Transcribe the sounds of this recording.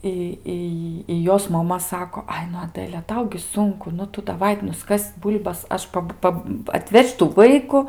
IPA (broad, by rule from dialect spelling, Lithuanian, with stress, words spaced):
ˈɪ ˈɪ ɪ ˈjoːs mɐˈmɐ ˈsɑːkoː ˈɐɪ nʊ ɐˈdəlʲɛ ˈtɐʊ ɡʲɪ ˈsʊŋkʊ ˈnʊ ˈtʊ dɐˈʋɐɪ nʊˈskɐsʲ ˈbuːlʲbɐs ˈɐʃ ˈpɐp ˈpɐp ɐtʲˈʋʲɛʃʲ tuː ˈʋɐɪkʊ